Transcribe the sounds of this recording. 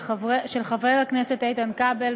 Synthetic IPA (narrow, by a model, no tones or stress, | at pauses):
ʃelχavʁelaknesetaitankabel